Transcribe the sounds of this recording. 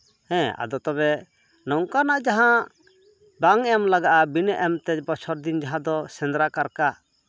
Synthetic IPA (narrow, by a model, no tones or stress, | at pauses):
hɛ̃a̰d̪ɔt̪ɔβɛ | nɔŋkanaʔd͡ʒaɦã | baŋɛmlaɡaʔabinɛʔɛmt̪ɛcbɔt͡ʃʰɔɾd̪ind͡ʒaɦãd̪ɔsɛ̃nd̪ɾakaɾka